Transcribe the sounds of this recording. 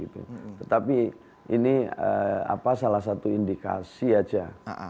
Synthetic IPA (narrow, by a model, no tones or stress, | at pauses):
it̪ṵt̪ət̪api | iniəa̰pasalahs̬at̪uindika̰siad͡ʒa